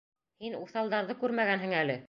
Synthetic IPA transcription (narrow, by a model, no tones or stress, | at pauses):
hinuθɑlˠd̪ɑɾðɤkʉɾmæɡænɦɘ̆ŋælɘ